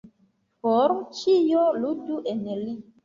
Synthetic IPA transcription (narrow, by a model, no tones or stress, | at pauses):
fɔɾt͡ʃijoluduʔenli